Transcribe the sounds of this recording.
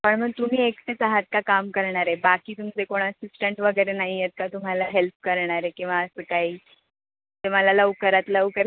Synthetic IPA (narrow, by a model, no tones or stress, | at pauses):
pəɳm̤əɡ̚t̪um̤iːekt̪et͡saɦat̪̚kakamkəɾɳaɾebakiːt̪umit͡sekoɳ̃əsisʈəɳʈʋəɡəjɾenaɦijet̪̚kat̪um̤alaɦelp̚kəɾɳaɾekĩw̃ʋaəsəːkaɦiː | t̪eməlaləʋkəɾat̪ləʋkəɾ